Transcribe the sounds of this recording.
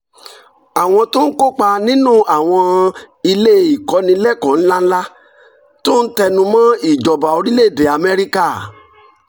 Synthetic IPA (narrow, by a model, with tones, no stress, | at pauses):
a˨w̃ɔ̃˧to˦n̩˦ko˦k͡pa˧nĩ˦nũ˦a˨w̃ɔ̃˧ | i˧le˦˨i˨kɔ˧˦nĩ˧˦lɛ˦kã˨˦n̩˦la˦n̩˦la˦ | to˦n̩˦tɛ˧nũ˧mã˦i˦˨d͡ʒɔ˨ba˨o˧ɾi˦le˦˨be˨a˨mɛ˦ɾi˦ka˦˨